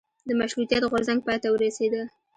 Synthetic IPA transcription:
d̪əmaʃɾut̪jat̪ɣoɾzaŋɡ̚pɑjt̪awəɾased̪ə

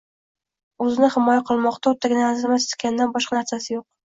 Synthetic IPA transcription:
ɵzɪnɪhɪmɒjaqʰɨlˠmɒqt̪ʰaʊt̪ʰːaɡʲɪnaazmast̪kʲanɪd̪anbɒʃqɑnaɾsasɪjoq̚

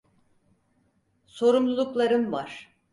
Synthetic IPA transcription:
so̞ɾumlˠulˠuklˠaɾɯmvaɾ̥

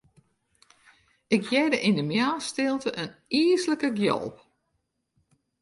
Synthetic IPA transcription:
ɪkjɛdəʔindəmjaːstɪlˠtəʔəniəsləkəɡjɔ̰lˠp

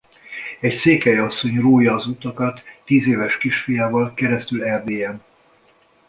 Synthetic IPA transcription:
ɛcseːkɛjɒsːo̞ɲroːjɒːzuːt̪ɒkɒt̪ːiːzeːvɛʃkiʃfijaːvɒlkɛɾɛst̪ylɛrd̪eːɛn

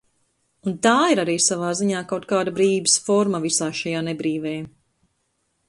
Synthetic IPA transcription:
unt̪aːiɾaɾiːsavaːziɲaːkawt̪̚kaːd̪abɾiːbisfɔɾmɐvisaːʃajaːnɛbɾiːvɛː

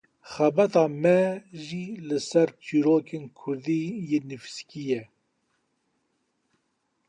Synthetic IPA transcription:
xɛbɛt̪ɑːmɛʒiːlɨsɛɾt͡ʃʰiːɾoːkʰeːnkʰʊɾd̪iːjeːnɨfiskijɛ

